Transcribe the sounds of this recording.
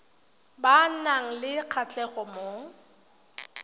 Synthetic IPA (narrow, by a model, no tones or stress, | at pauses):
ban̩naŋ̩lɪq͡χʰat͡ɬʼɛχɔmo